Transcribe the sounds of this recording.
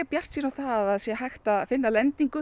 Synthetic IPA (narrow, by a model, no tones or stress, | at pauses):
pjar̥t̪siːnawθaðaðsjɛɦajxt̪afɪnːalɛnt̪iŋkʏ